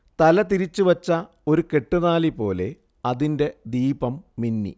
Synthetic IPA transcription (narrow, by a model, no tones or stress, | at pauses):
t̪ɐlɐt̪iɾit͡ɕːuʋɐt͡ɕːɐ | o̞ɾuke̞ʈːunaːlipo̞ːle̞̰ | ɐðinde̞d̪iːbɐmːinːḭ